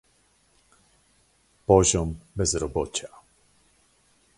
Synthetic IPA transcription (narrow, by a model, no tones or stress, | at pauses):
pɔʑɔmbɛzɾɔbɔt͡ɕa